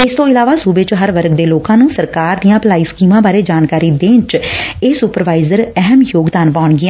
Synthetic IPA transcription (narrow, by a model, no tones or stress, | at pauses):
ɪst̪õːɪlaːʋaːsuːbeːt͡ʃɦəɾʋəɾɡd̪eːloːkãːnũːsəɾkaːɾd̪ijãːplaːiːskiːmãːbaːɾeːd͡ʒaːnkaːɾiːd̪ẽːnt͡ʃeːsupəɾʋaːɪzəɾɛɦəmjoːɡd̪aːnpaːʊɳɡɪãː